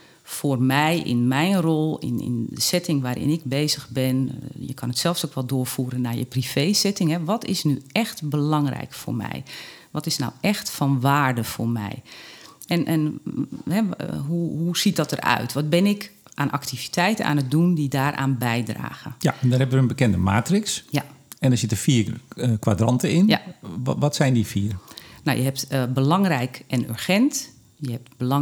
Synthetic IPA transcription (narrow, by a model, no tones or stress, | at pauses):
fʊːrmɛjɪ̰nmɛjnrolˠɪ̰nɪ̰ndə̰sɪtɪŋʋaːɾɪ̰nɪɡ̚beːzəxbɪnjəkʰɔnətsɛlˠfsokʋɔlˠdʊːrfuːɾənaːjə̰prifejsɪtɪŋɦɛʋɔtɪ̰snyɛxtbəlɑŋrɛ̰jkfo̰ːrmɛ̰j | ʋɔtɪsna̰wɛxtfɔnʋaːrdəfoːrmɛ̰j | ɛnʔɛnɦɛɦuɦusit̚dɔtərœ̰ɥtʋɔt̚bɪnɪk | ʔaːnʔaktivi̥tʰɛjtə̰nʔa̰ːnət̚dundidaːrʔa̰ːnbɛjdra̰ːɣəjandɔnɦɛbəʋəənbəkɛndəma̰ːtrɪksjaɛndɔsɪtəfiːkʋadrɑntəɪnʋɔtsɛjndifiːərnɔwjə̰ɦɛp̚tbəlɑŋrɛjkɛnø̰rxɛnt | jəhɛp̚tbəlŋ